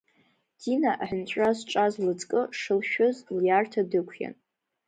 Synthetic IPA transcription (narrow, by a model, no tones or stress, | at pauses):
d̥inaʔaħɨnt͡ɕʷʼazʈ͡ʂʼazlɨt͡sʼkʼɨʂɨlʃᶣozljartʰadɨkʷʰja̰n